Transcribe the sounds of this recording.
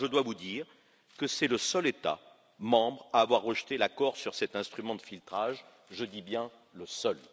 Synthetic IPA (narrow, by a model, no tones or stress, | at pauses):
ʒəd̪wavud̪iːʁ | kəsɛləsœlet̪a̰ | mɑ̃bʁaːvwaʁːəʒt̪elakɔʁsyʁsɛt̪ɛ̃st̪χymɑ̃d̪əfilt̪χaʒ | ʒəd̪ibjɛ̃ | ləsœl